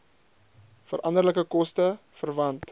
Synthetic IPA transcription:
fəɾʔɐndərləkəkɔstə | fərvɐnt

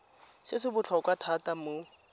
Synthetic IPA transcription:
sɪsɪbʊt͡ɬʰɔkʼwatʰatʼamo

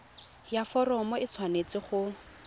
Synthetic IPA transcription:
jafɔrɔmɔɪt͡sʰwanet͡sɪχʊ

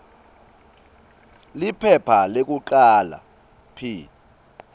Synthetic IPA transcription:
lipʰɛpʰalek̬uǃaːla̰ | pʰi

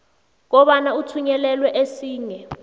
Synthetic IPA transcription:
k̬ɔɓanautʰuɲɛlɛlwɛʔesiːŋɛ

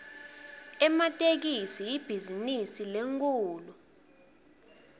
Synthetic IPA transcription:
ɛmatʼek̬isijib̥ʱizinisileŋkʼuːlu

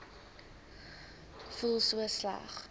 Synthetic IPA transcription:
fulˠsuəslɐ̰χ

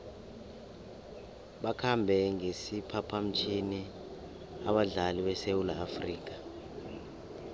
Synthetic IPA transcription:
ɓakʰambʱɛŋesipʰapʰam̩t͡ʃʰʼini | aɓaɮaliɓɛsewulaːfriːk̬ʼa

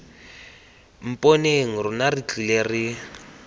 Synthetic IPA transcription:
m̩pʼoneŋ̩rʊnarit͡ɬʼileri

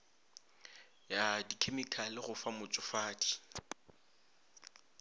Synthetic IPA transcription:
jadikʰemikʰalɪχʊfamʊt͡sʼʊfaːdi̥

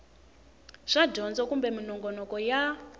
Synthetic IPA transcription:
ʐ̥adʱɔnd͡zɔkumbɛminɔŋɡɔnɔkɔja

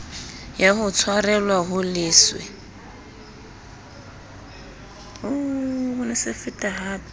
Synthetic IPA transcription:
jaɦʊt͡sʰwarɛlwaɦʊlɪːswɪ̰ | oʊnɛsɪfɪtʼaɦaːpʼ

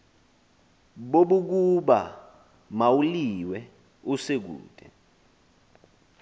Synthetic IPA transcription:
ɓoɓuk̬uɓa̰ | mawuliwɛ | usek̬ṵːd̥ʱʼɛ

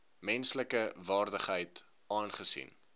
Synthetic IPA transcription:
mɛnsləkəvɑːrdəχɦəjt | ʔɑːnχəsḭn

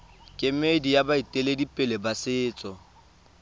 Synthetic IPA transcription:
kʼɪmedijabaitʼeledipʼɪlebasɪːt͡sʼɔ

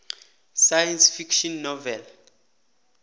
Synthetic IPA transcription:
sajɛnsfikʃɔnːɔvɛl

